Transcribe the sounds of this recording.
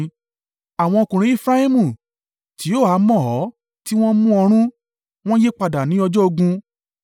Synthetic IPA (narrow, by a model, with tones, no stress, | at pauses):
a˨w̃ɔ̃˧o˧kũ˨ɾ̃ĩ˨˦i˦˨fɾa˦i˦mũ˦˨ | ti˨˦o˦˨a˨˦mɔ̃˦˨ɔ˨˦ | ti˦w̃ɔ̃˦mũ˦ɔ˧ɾ̃ũ˦ | w̃ɔ̃˦je˦k͡pa˧da˨nĩ˨˦ɔ˧d͡ʒɔ˦o˧ɡũ˧